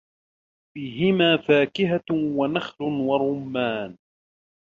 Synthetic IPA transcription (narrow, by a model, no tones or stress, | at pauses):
fiːɦɪmaːfaːkɪɦawanaxlʊnwɑɾˤʊmːaːn